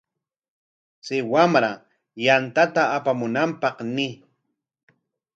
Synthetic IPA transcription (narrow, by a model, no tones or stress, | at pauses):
sɪwamɾa | jant̪at̪aːpamʊnampɑχnɪ